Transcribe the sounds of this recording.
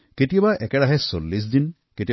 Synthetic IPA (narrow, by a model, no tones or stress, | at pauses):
keʈibaʔɛkeɽaɦɛsolːis̬d̪in | keʈi